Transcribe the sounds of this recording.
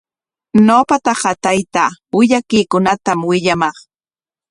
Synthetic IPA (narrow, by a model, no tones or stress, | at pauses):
noːpat̪ɑɢɑt̪ajt̪awɪʎakɪjkʊnat̪amwɪʎamɑχ